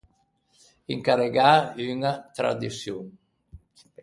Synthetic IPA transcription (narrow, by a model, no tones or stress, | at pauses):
iŋkaɾeɡayŋat̪ɾa̰d̪isjuŋ